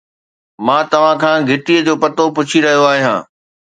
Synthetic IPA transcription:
mãːt̪ɐʋ̤ãkʰãːɡʱɪʈiəd͡ʑoːpɐt̪opʊt͡ɕʰiɾɐɦijoaːɦijãː

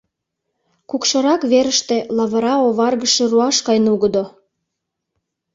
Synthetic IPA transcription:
kukʃɤ̆ɾɑkβeɾəʃt̪ĕlɑβɤ̆ɾɑoβɑrɣəʃĕruɑʃkɑjnuɣə̆d̪o

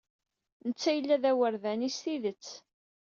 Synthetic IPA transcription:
nət͡sːæjəlːæðæwəɾðænist̪iðət͡sː

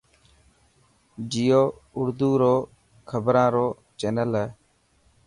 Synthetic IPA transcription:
d͡ʒijoːʊɾd̪uːɾoː | kʰəbɾãːɾoː | t͡ʃɛːnəlɦɛː

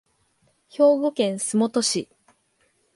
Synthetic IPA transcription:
ço̞ːbokẽ̞ɰ̃sɨmo̞t̪o̞ɕi

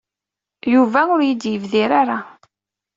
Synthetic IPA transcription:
juvæʊɾjid̪jəvðiɾaɾa

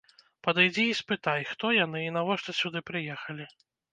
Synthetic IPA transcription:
pɐd̪ajd͡zʲiːspɨt̪ajxt̪ɔjan̪ɨinavɔʂt̪ɐsʲud̪ɨpɾɨjɛxɐlʲi

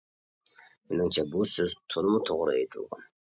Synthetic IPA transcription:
mɪnɪŋt͡ʃʰɛbusøzt̪ʰolˠmut̪ʰoʁɾɨejt̪ʰɨlˠʁɑ̰n

